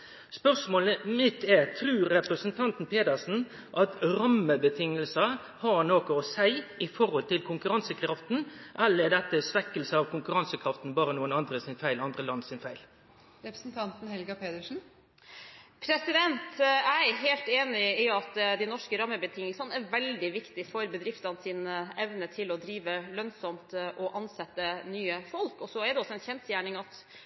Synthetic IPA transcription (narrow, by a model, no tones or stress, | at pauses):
spœʂmoːləmɪt̪ːɛɾt̪ʰɾʉːɾːɛpɾəsənt̪ʰɑnt̪n̩pʰeːd̪əʂn̩ | ʔɑt̪ɾɑmːəbət̪ʰɪŋːəlsə | hɑɳoːkɔɔsæɪɪfɔɾhɔlt̪ɪlkʰʊŋkʉɾɑnsəkʰɾɑft̪n̩ʔɛlːəɾɛd̪ɛt̪ːəsʋɛkːəlsəɑʋkʰʊŋkʉɾɑnsəkʰɾɑft̪n̩bɑːɾənuːənɑnd̪ɾəsɪnfæɪlɑnd̪ɾəlɑnːsɪnfæɪl | ɾɛpɾəsnt̪ʰɑnt̪n̩hɛlɡɑpeːd̪əʂn̩ | pʰɾɛsɪd̪ɛnt̪æɪɦeːlt̪eːnɪɪɑt̪d̪ɪnɔʂkəɾɑmːəbət̪ʰɪŋːəlsɑnəæʋɛld̪ɪʋɪkt̪ɪfɔɾbəd̪ɾɪft̪ɑnəsɪːnəɛʋnət̪ʰɪlɔd̪ɾiːʋəlœnsɔmt̪ʔɔʔɑnsɛt̪ːənyːəfɔlkɔsɔæɖ̪ɛɔsːɔɛɪnçɛnsjæːɳɪŋɑt̪